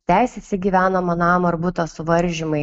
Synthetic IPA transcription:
t̪ʲæɪsʲɛt̪ʲsʲɛɡʲiːʋʲæːnomɐnɑːmɐɾbuːt̪ɐsʊʋɐɾʲʒʲɪmɐɪ

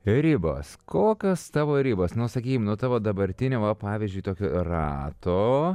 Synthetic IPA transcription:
ɾʲɪbɐ̰skʰoːkʲɐst̪ɑːʋoːɾʲɪbɐsnʊsɐkʲiːkʲɪmnʊt̪ɑːʋoːd̪ɐbɐɾʲt̪ʲɪnʲoːʋɐpɑːʋʲiːzʲd͡ʒʲʊɪt̪oːkʲoːrɑːt̪oː

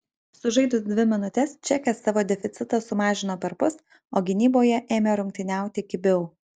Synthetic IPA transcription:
sʊʒɐɪd̪ʊsd̪ʲʋʲɪmʲɪnʊt̪ʲɛst͡ʃʲɛkʲɛsːɑːʋoːd̪ʲɛfʲɪt̪sʲɪt̪ɐsʊmɑːʒʲɪnoːpʲɛɾpʊs | oːɡʲɪnʲiːboːjɛʔeːmʲeɾʊŋʲk̚ʲt̪ʲɪnʲæˑʊt̪ʲɪɪkʲɪbʲɪʊ

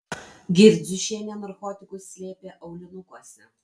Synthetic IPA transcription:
ɡʲɪɾʲd͡z̪ʲʊʃʲeɛːnʲɛnɐɾkoːt̪ʲɪkʊsʲsʲlʲeːpʲeːʔɐʊlʲɛnʊkuɔsʲɛ

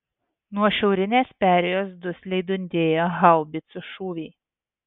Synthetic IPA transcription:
nuɔʃʲɛʊɾʲɪnʲeːspʲæːɾʲɛjoːsd̪ʊsʲlʲɛɪd̪ʊnʲd̪ʲeːjoːɦɐlˠbʲɪt̪sʲʊʃuːʋʲiː

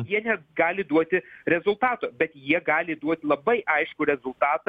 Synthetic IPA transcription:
jiɛnʲɛɡɑːlʲɪd̪uɔt̪ʲɪɾʲɛzʊlˠt̪ɑːt̪oːbʲɛt̪jiɛɡɑːlʲɪd̪uɔt̪ʲɪlˠɐbɐɪʔɐɪʃkʊɾʲɛzʊlˠt̪ɑːt̪

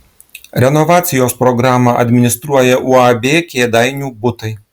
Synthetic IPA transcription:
ɾʲɛnɔʋaːt̪sʲɪjoːspɾɔɡɾaːmɐʔɐ̰d̪ʲmʲɪnʲɪst̪ɾuɔjɛʔuɐbʲeːkʲeːd̪aɪnʲuːbʊt̪ɐɪ

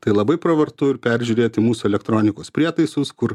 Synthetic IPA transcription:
t̪ɐɪlˠɐbɐɪpɾoʋɐɾt̪ʊɪɾpʲɛɾʲʒʲuːɾʲeːt̪ʲɪmuːsʊɛlʲɛkt̪ɾoːnʲɪkoːspʲɾʲiɛt̪ɐɪsʊskʊɾ

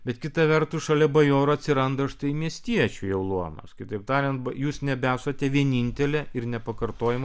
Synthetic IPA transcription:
bʲɛt̪kʲɪt̪ɑʋʲɛɾt̪uːʃɐlʲɛbɐjoːɾʊɐt̪ʲsʲɪɾɐnd̪ɐɐʃt̪ɐɪmʲiɛsʲt̪ʲiɛt͡ʃʲujɛʊlˠuɔnɐ̰skʲɪt̪ɐɪp̚t̪ɑːɾʲɛnt̪bɐjuːsnʲɛbʲæːsoːt̪ʲɛʋʲiɛnʲinʲt̪ʲɛlʲɛɪɾnʲɛpɐkɐrt̪oːjɪm

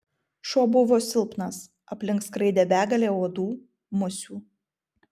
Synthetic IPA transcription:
ʃoːbʊʋoːsʲɪlʲˠpnɐs | ɐpʲlʲɪŋkskɾɐɪd̪ʲɛːbʲæːɡɐlʲeːoːd̪uː | mʊsʲuː

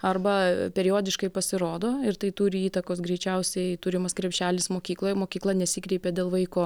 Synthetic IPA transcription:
ɐrbɐpʲɛɾʲɪjoːd̪ʲɪʃkɐɪpɐsʲɪɾoːd̪oːɪɾt̪ɐɪt̪uːɾʲɪiːt̪ɐkoːsɡɾʲɛɪt͡ʃʲɛʊsʲɛɪt̪uːɾʲɪmɐskɾʲɛpʲʃʲæːlʲɪsmoːkʲiːklˠoːjɛmoːkʲiːklˠɐnʲɛsʲiːkɾʲɛɪpʲeːd̪ʲeːlˠʋɐɪkoː

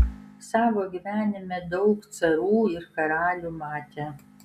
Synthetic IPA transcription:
saːvɐɡʲɪvæːnɪmɛdowkt͡sʰɐɾuːirkɐɾaːɮumaːtʰɛ

